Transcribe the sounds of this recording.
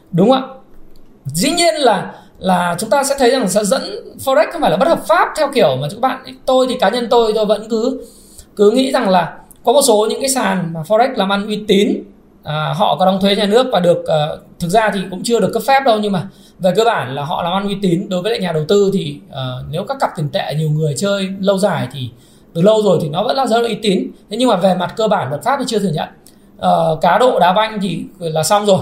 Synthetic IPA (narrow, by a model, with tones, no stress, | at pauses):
ɗʊ˨˦ŋ͡mʔə̰˧˨ | zḭ˧˥ɲi˧ənlaː˨˩ | laː˨˩t͡ɕʊ˨˦ŋ͡mt̪aː˧sɛ̰˧˥t̪ʰə˨˦jza˨˩ŋ˨sɛ̰˧˥zə̰˧˥nfɔ˧ɛ˦˥k̚xŋ͡mfaː˧˩laː˨ɓə˦˥t̚həː˨˩p̚faː˦˥p̚t̪ʰɛ˧wxi˧˩əwmaː˨˩˨k̚ːɓa̰ː˧˨ʔjt̪o˧jt̪ʰi˨˩kaː˨˦ɲə˧nt̪o˧jt̪o˧jvə̰˧˥nkɨ˨˦ | kɨ˨˦ŋḭ˧˥za˨˩ŋlaː˨˩ | kɔ˨˦mo˨˩t̚so˨˦ɲɨ̰˧˥ŋkaː˨˦jsaː˨˩nmaː˨˩fɔ˧ʔk̟̚laː˨˩mʔa˧nʔwi˧t̪i˨˦n | ʔəː˨˩ɦɔ̰˧˨kɔ˨˦ɗa˧wŋ͡mt̪ʰe˨˦ɲaː˨˩nɨ˦˥ək̚vaː˨˩ɗɨ˨˩ək̚ʔəː˨˩t̪ʰɨ˨˩k̚zaː˧t̪ʰi˨˩kʊ̰˧˥ŋ͡mt͡ɕɨ˧əɗɨ˨˩əkːə˦˥p̚fɛ˦˥p̚ɗə˧wɲɨ˧ŋmaː˨˩ | ve˨˩kəː˧ɓaː˧˩nlaː˨˩ɦɔ̰˧˨laː˨˩mʔa˧nʔwi˧t̪i˨˦nɗo˨˦jvəː˨˦la̰ː˧˨ɲaː˨˩ɗə˨˩wt̪ɨ˧t̪ʰi˨˩ʔəː˨˩ne˨˦wkaː˦˥kːa˨˩p̚t̪ï˨˩ŋt̪ḛ˧˨˩ɲi˨˩əwŋɨ˨˩əjt͡ɕəː˧jlə˧wzaː˧˩jt̪ʰi˨˩ | t̪ɨ˨˩lə˧wzo˨˩jt̪ʰi˨˩nɔ˨˦və̰˧˥nlaː˨˩zə̰˧˥la˧ʔi˧˦t̪i˨˦nt̪ʰe˨˦ɲɨ˧ŋmaː˨˩ve˨˩ma˨˩t̚kəː˧ɓaː˧˩nlwə˨˩t̚faː˦˥t̪i˨˩t͡ɕɨ˧ət̪ɨ˧˩əŋɲə̰˧˨nʔ | ʔəː˨˩kaː˨˦ɗo̰˧˨ɗaː˨˦va˧jŋ̟t̪ʰi˨˩˧laː˨˩sa˧wŋ͡mzo˨˩j